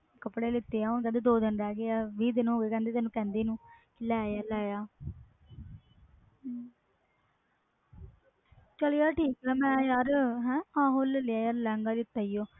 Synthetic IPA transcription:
kəpːɽeːlɪt̪ːeːãːonkɛ̃ːnd̪eːd̪oːd̪ənɾɛːɡeaːʋiːd̪enũoːɡeːkɛ̃nd̪eːt̪ɛːnũːkɛ̃ːnd̪eːnũː | ɪlɛjalɛːjaː | t͡ʃəljaːʈiːkamɛ̃ːjaːɾɦɛ̃ːãːɦoːlljaːjaːɾlɛːŋɡaːd̪ɪt̪ːaːijoː

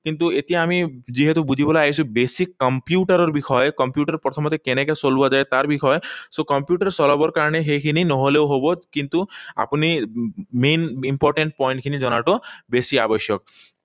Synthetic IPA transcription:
kint̪uet̪iamid͡ʒiɦet̪ubud͡ʑʱibɔlaajsʰubesikːɔmpjuʈaɾɔɾbixʰɔjkɔmpjuʈaɾpɾɔt̪ʰɔmɔt̪ekenekesolbɔd͡ʒaet̪aɾbikʰɔesokɔmpjuʈaɾsɔlɔbɔɾkaɾɔɽ̃eɦekʰininɔɦɔlewɦobokint̪ua̰pnimenimpɔɾʈeɳʈ̚pɔjɳʈ̚kʰinid͡ʒɔna̰ʈɔbesia̰bɔʃjɔk

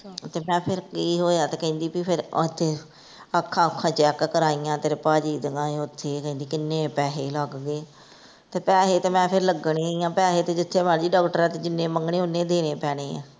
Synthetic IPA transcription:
t̪eːmɛ̃ːpʰɪɾkiːɦoːaːt̪eːkɛ̃ĩnd̪iːpipʰɪɾt̪ʰːeː | əkʰːãːəkʰːãːt͡ʃɛːkkəɾaːiːjãːt̪eːɾpaːd͡ʒiːd̪əŋãːeːʊt̪ʰːeːkɛ̃ĩːnd̪iːkɪnːẽːpɛːɦeːləɡɡeː | t̪eːpɛːɦeːt̪eːmɛ̃ːpʰɪɾləɡɽ̃ẽːijãːpɛːɦeːt̪eːd͡ʒɪt̪ʰːeːmaːnd͡ʒiːɖɔːkʈəɾɛːt̪eːd͡ʒɪnːẽːməŋɡɽẽːʊnːẽːd̪eːneːpɛːɽ̃eːã̰ː

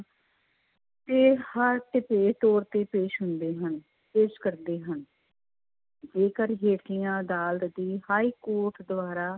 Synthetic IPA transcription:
t̪eːhəɾʈ̪ɪpeːt̪oːɾt̪eːpeːʃɦʊnd̪eːɦən | peːʃkəɾd̪eːɦən | d͡ʒeːkəɾɦeːʈʰɪjãːəd̪aːlt̪d̪iːhaːiːkoːɾʈd̪ʊaːɾaː

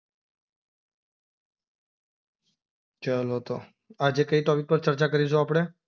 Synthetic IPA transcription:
t͡ʃəlot̪o | ad͡ʒekəit̪ɔʋik̚pəɾt͡ʃəɾt͡ʃakəɾis̬õaːpɽ̃e

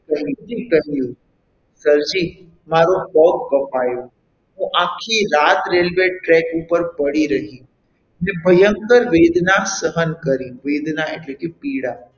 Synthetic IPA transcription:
kəɦd͡ʒikəɦiũ | səɾd͡ʒi | maɾobɔkbəpajo | ɦũʔakʰːiɾat̪ɾelʋeʈɾɛkupəɾpəɽiɾəɦĩ | nebʱəjəŋkəɾʋed̪nasəɦənkəɾĩʋed̪naeʈlekepiɽa

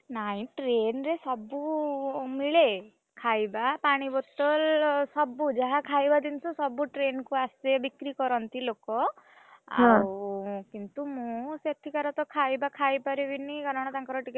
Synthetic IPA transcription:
naĩʈɾenɾesɔbu | miɭe | kʰajbapaɽ̃ibɔt̪ɔlsɔbud͡ʒaɦakʰajbad̪insɔsɔbuʈɾenkuasebikɾikɔɾɔnt̪ilokɔ | ãwkint̪umũset̪ʰikaɾɔt̪ɔkʰajbakʰajpaɾibiniɡɔɾɔɽ̃ɔt̪aŋkɔɾɔʈik

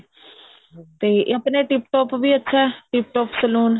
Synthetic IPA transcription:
t̪eːʔəpneːʈɪpʈoːpʋiːətːʃʰaʈɪp̚ʈoːpsəluːn

